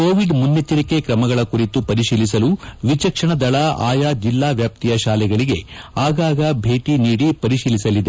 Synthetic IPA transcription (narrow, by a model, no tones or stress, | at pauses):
koːʋiɖmunːet̪iɾike̞kɾɐmɐɡɐɭɐkuɾit̪upɐɾiʃiːlisɐluʋit͡ʃɐkʂɐɳɐd̪ɐɭɐa̰ːjad͡ʒilːaːʋjaːp̚t̪ijɐʃaːlɛɡɐɭiɡe̞aːɡaːɡɐbʱe̞ːʈiniːɽipɐɾiʃiːlisɐlid̪e̞